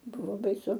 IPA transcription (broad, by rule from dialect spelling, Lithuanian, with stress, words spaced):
ˈbʊʋoː bɐɪˈsʊ